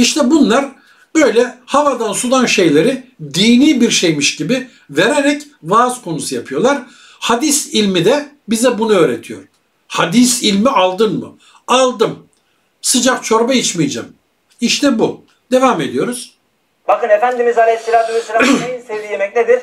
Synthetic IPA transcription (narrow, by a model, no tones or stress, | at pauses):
iʃt̪ʰɛbunlˠaɾ | bø̞jlʲɛhavad̪ansulˠanʃe̞jlʲe̞ɾɪd̪iːniːbiɾʃe̞jmiʃɟibi | ve̞ɾeɾɛc | vaːz̥kʰo̞nusɯjapʰɯjo̞lˠaɾ̥ | had̪isilʲmid̪ɛ | bizɛbunuøːɾet̪ʰijo̞̰ɾ̥ | had̪isilʲmiʔalˠd̪ɯnmɯ̰ | alˠd̪ɯm | sɯd͡ʒakt͡ʃʰo̞ɾbait͡ʃmijd͡ʒa̰m | iʃt̪ʰɛbu | d̪̥e̞vaːme̞d̪ijo̞ɾuz̥ | bakɯnefænd̪imizalʲeselʲaːt̪umeselʲaejisevd̪ijemɛcned̪iɾ̥